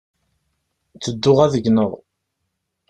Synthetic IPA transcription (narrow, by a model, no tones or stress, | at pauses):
t͡sːəd̪ːʊʁæðəɡnəðˤ